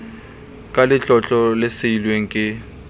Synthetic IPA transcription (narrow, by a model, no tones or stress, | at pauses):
kʼalɪt͡ɬʼɔt͡ɬʼɔlɪsɪilweŋ̩kʼɪ